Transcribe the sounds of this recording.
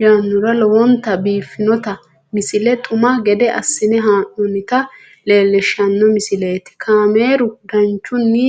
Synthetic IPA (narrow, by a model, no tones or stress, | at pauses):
jaːnːʊɾɐlɔwɔnt̪ɐbiːfːɪnɔt̪ɐ | mɪsɪlɛt̪ʰʼʊmɐɡɛd̪ɛʔɐsːɪnɛɦaːnːɔnɪt̪ɐ | le̞ːlːɛʃɐnːɔmɪsɪleːt̪ɪ̥kʰaːme̞ːɾʊd̪ɐnt͡ʃːʊnːɪ